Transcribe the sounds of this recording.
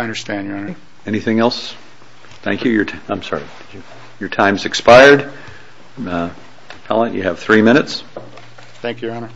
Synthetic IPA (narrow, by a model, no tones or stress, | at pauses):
ʌ̃ndə˞stæ̃njə˞ʌ̃nə | ɛñiθɪ̃ŋɛlˠs | θæ̰̃ŋkʰjɨjə˞ãɪ̃msɑ̰ɹi | jə˞tʰãɪ̃mzɨkspaɪə˞d | tʰæ̰lˠə̃njɨ̰ːv̥θɹimɪ̃ɾ̃ɨts | θæ̃ŋkjʉɑnə˞